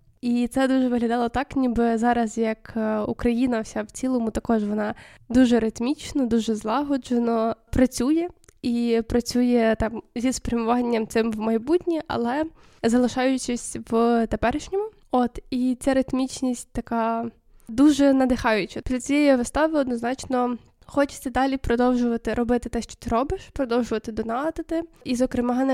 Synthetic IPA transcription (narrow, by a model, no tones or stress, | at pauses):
it̪sɛd̪uʒɛʋɪɦlʲɐd̪ɑlˠɔt̪ɑknʲibɪzɑɾɐzjɐkukɾɐjinɐwsʲawt͡sʲilˠɔmʊt̪ɐkɔʒʋɔnɑd̪uʒɛɾɪt̪mʲit͡ʃnɔd̪uʒɛzlˠɑɦɔd͡ʒenɔpɾɐt͡sʲujɛipɾɐt͡sʲujɛt̪ɑmzʲisspɾʲɐmʊʋɑnʲːɐmt̪sɪmwmɐjbutʲnʲiʔɐ̰lˠɛ | zɐlˠɪʃɑjʊt͡ʃɪsʲʋt̪epɛɾɪʃnʲɔmʊ | ot̪it͡sʲaɾɪt̪mʲit͡ʃnʲisʲt̚ʲt̪ɐkɑ | d̪uʒɛnɐd̪ɪxɑjʊt͡ʃɐpɾʲit͡sʲijɛjiʋɪst̪ɑʋɪɔd̪nɔznɑt͡ʃnɔ | xɔt͡ʃɪ̥sʲt̪ɪd̪ɑlʲipɾɔd̪ɔwʒʊʋɐt̪ɪɾɔbɪt̪ɪt̪ɛʃt͡ʃɔ̥t̪ɪɾɔbɪʃpɾɔd̪ɔwʒʊʋɐt̪ɪd̪ɔnɑd̪ɪt̪ɪizɔkɾɪmɑn